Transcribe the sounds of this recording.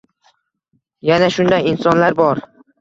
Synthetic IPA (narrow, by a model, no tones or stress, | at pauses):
janaʃʊnd̪ajɪnsɒnlaɾbɒɾ